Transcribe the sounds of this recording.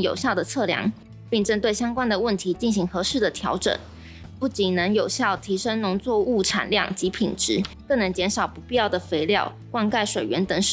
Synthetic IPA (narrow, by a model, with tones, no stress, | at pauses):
jo̰˨˩ʊɕjɑ˥˩ʊd̪ə˩t͡sʰɤ˥˩ljɑ̰˧˥ŋ | pi˥˩ŋʈ͡ʂə˥nt̪we˥˩ɪɕjɑ˥ŋkwa˥nd̪ə˨wə˥˩nt̪ʰi˧˥t͡ɕi˥˩nɕi˧˥ŋxɤ˧˥ʂɻ̩˥˩d̪ə˩t̪ʰjɑ˧˥ʊʈ͡ʂə̰˨˩˦n | pu˥˩t͡ɕi˨˩nnə˧˦˥ŋjo˨˩ʊɕjɑ˥˩ʊt̪ʰi˧˥ʂə˥ŋnʊ˧˥ŋt͡swɔ˥˧u˥˩ʈ͡ʂʰa̰˨˩nljɑ̰˥˩ŋt͡ɕi˧˥pʰi˨˩ŋʈ͡ʂɻ̩˧˥kɤ˥˩ŋnɤ˧˥ŋt͡ɕjɛ˧˥nʂɑ˨˩ʊpu˧˥pi˥˧jɑ˥˩ʊd̪ə˩fe˧˥ɪljɑ˥˧ʊ | kwa˥˧nka˥˩ɪʂwe˨˩ɪɥɛ˧˥nt̪ə˧˥ŋʂ